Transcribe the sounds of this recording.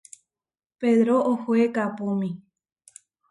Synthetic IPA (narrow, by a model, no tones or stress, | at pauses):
peðɾoohoekapumĩ